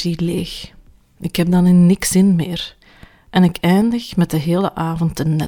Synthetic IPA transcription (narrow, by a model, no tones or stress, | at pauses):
ileːx | ɪkɦɛb̚dɑnɪnnɪksɪnmeːr | ʔɛnɪkɛjndəxmɛt̚dəɦeːlə̰ʔaːvɔntːənːɛ